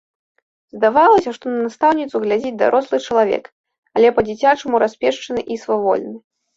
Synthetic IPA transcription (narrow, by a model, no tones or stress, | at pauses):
zd̪avalˠɐsʲɐʂt̪ɔnɐnast̪awnʲit̪suɣlʲad͡zʲid͡zʲd̪a̰ɾʔɔslˠɨt͡ʂɐlˠavʲɛ̰k | alʲɛpɐd͡zʲit͡sʲat͡ʂɨmuɾasʲpʲɛʂt͡ʂɐnɨʔisvavɔ̰lʲnɨ